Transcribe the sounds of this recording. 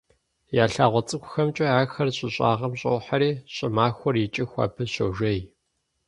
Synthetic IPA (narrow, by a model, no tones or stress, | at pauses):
jaːɬaːʁʷɔt͡sʼɨkʷʰʼʊxɐmt͡ʃʼɐaːxɐrɕʼɪɕʼa̰ːʁɐmɕʼɐ̰wħaɾiːɕʼɪmaːxʷɔrjɪt͡ʃʼɪxʷa̰ːpʰɨɕɐ̰wʒɐj